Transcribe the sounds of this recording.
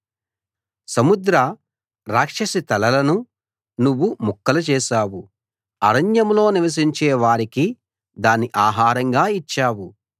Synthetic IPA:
sɐmud̪ɾɐ | ɾaːkʂɐsit̪ɐlɐlɐnu | nuʋːumukːɐlɐt͡ʃɛːʃaːwu | ɐ̰ɾɐɲjɐmlo̞ːniʋɐs̬iɲt͡ʃɛːʋaːɾiki | d̪aːnːiʔaːɦaːɾɐŋɡaːit͡ʃːaːwu

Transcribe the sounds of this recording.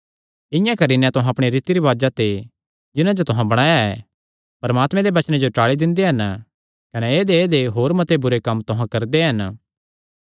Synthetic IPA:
ɪ̃jãkɐɾinɛ̃t̪ʊɦãɐpɽ̃iɾiːt̪iɾiʋaːd͡ʒat̪e | d͡ʒɪnãd͡ʒot̪ʊɦãbɐɽ̃aːjaɛ | pɐɾmaːt̪mɛ̃d̪ebɐt͡ʃnẽd͡ʒoʈaːɭid̪ɪ̃nd̪eɦɐn | kɐnɛeːd̪eeːd̪eɦoːɾmɐt̪ebʊɾekɐmːt̪ʊɦãkɐɾd̪eɦɐn

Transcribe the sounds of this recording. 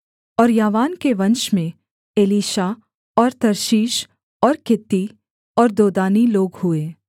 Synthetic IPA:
ɔːɾjaːʋaːnkeʋɐ̃nʃmẽ | eliːʃa | ɔːɾt̪ɐɾʃiːʃ | ɔːɾkɪt̪ːi | ɔːɾd̪oːd̪aːniloːɡhʊeː

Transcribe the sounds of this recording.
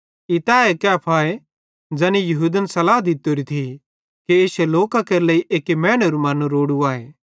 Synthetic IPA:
ɪt̪aːekɛɐpʰaːe | d͡ʒɐnijɐɦud̪ənsɐlaːɦd̪ɪt̪ːoɾit̪ʰi | kieseloːkakɐɾlɐiʔeːkemɛ̃ːɽ̃ɐɾumɐnuɾoːɽuaːe

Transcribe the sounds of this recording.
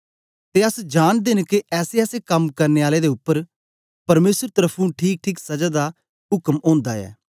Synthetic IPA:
t̪eːəsd͡ʒaːnd̪eːnekiʔɛːseɛːsekɐmkɐɾneːaːled̪eːʊpːəɾ | pɐɾmeːsəɾt̪əɾəpʰũʈʰiːk̚ʈʰiːksɐd͡ʒaːd̪a | ʊkəmõːnd̪a̰ːɛ̰ː

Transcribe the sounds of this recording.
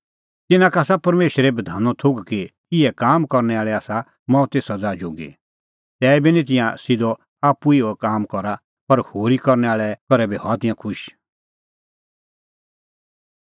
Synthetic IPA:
t̪ɪnãkaːsapɐɾmeːʃɾɛbɐd̪ʱaːnɔ̃t̪ʰʊɡki | ɪɛkaːmkɔɾnɛaːɭɛaːsa | mɔ̃ːt̪eːsɐd͡zaːd͡ʒoːɡḭ | t̪ɛːbinĩt̪̬ɪ̃jãsɪd̪ɔ | aːpːuioɛkaːmkɔɾa | pɐɾhoːɾikɔɾnɛaːɭɛkɔɾɛbihɔːt̪ɪ̃jãkʰʊʃ

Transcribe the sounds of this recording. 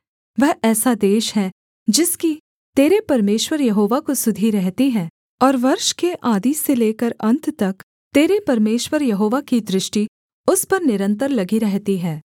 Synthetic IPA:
ʋɛɦɛːsad̪eːʃɦɛ̃ | d͡ʒɪski | t̪eːɾepɐɾmeːʃwəɾjɐɦoːʋakosʊd̪ʱiɾɛɦt̪iɦɛ̃ː | ɔːɾʋɐɾʃkeʔaːd̪iseleːkəɾɐ̃nt̪ʰt̪ɐk | t̪eːɾepɐɾmeːʃwəɾjɐɦoːʋakid̪ɾɪʃʈi | ʊspɐɾnɪɾə̃nt̪əɾlɐɡiɾɛɦt̪iɦɛ̃ː

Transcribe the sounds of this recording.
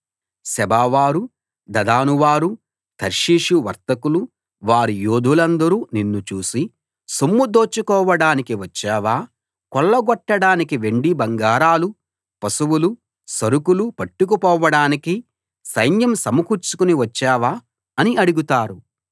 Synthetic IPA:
sɛbaːʋaːɾu | d̪ɐd̪aːnuʋaːɾu | t̪ʰɐɾʂiːʂuʋɐ̰ɾt̪ɐkulu | ʋaːɾijoːd̪ʱulɐnd̪ɐɾuːninːut͡ʃuːsi | sumːud̪oːt͡ʃːukɔːʋɐɽaːnikiʋɐt͡ʃːɛːʋaː | kɔɭːɐɡɔʈːɐɽaːnikiʋe̞ɳɖibɐŋɡaːɾaːlu | pɐsɐwulu | sɐɾukulupɐʈːuk̬upɔːʋɐɽaːniki | sɐjnjɐmsɐmukuɾt͡ʃu̥kuniʋɐt͡ʃːɛːʋaː | ɐniʔɐɽuɡut̪aːɾu

